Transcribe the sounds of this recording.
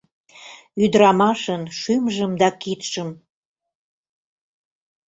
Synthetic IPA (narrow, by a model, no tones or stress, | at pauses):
yd̪ɾɑmɑʃənʃymʒəmd̪ɑkit̪ʃəm